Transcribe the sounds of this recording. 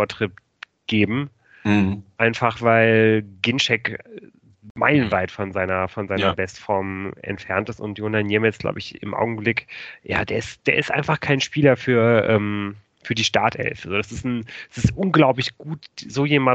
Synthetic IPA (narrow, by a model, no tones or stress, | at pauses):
ɐtʁ̥ip | ɡ̥eːbm̩ | ʔaɪnfaχv̥aɪlɡɪnʃɛk | maɪlənvaɪtfɔnzaɪnɐfɔnzaɪnɐbɛstfɔɐmɛ̰ntfɛɐntɪstʊ̰ntjonanjieːmɛsɡ̥la̰ʊbəɪçɪ̰mʔa̰ʊɡŋ̩blɪkja̰ːd̥eːɐɪstd̥eːɐɪstʔa̰ɪnfaχkʰaɪnʃpiːlɐfyːɐʔɛːm | fyːɐdiːʃtaɐthɛ̰lfəzoːdasɪstn̩sɪstʔʊnɡlaʊplɪçɡ̥uːtzoːjeːma